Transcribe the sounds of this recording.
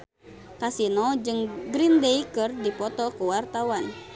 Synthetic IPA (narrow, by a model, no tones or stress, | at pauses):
kasinɔd͡ʒɨŋɡɾindejkɨrdipɔt̪ɔkuwart̪awan